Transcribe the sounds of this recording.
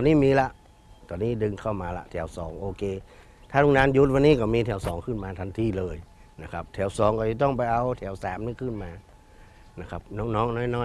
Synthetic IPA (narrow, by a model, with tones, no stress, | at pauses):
ɔː˧niː˥˩˨miː˧la˧ʔ | t̪ɔː˧nːiː˧˥˩dɯ˧ŋkʰa˧˩wmaː˧la̰˧ʔt̪ʰɛː˩˦wsɔː˨˩˦ŋʔoː˧kʰeː˧ | t̪ʰaː˥˩nuː˧˩naː˧˥˨nju˧˦˥t̪̚wa˧nːiː˥˩kɔː˧˩miː˧t̪ʰɛː˨˩˦wsɔː˨˩˦ŋkʰɯ˧˥˩nmaː˧t̪ʰa˧nt̪ʰiː˧˩lɤː˧˩j | na˧˩kʰa˦˥p̚t̪ʰɛː˩˦wsɔː˨˦ŋka˧˩ja˧˩t̪̬ɔ˧˥˩ŋp̬a˧jʔa˧wt̪ʰɛː˩˦wsaː˨˦mnɯ˧˩ŋkʰɯː˧˥˩nmaː˧ | na˧˩kʰa˦˥p̚nɔː˧˥˩ŋnɔː˧˥ŋnɔː˧˥˩jnɔː˧˩˨